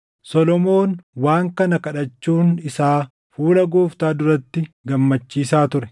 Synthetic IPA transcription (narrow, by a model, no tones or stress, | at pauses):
sɔlɔmoːnwaːŋkɐnɐkɐᶑɐt͡ʃːuːnɪsaː | fuːlɐɡoːft̪aːd̪ʊɾɐt̪ːɪɡɐmːɐt͡ʃːiːsaːt̪ʊɾɛ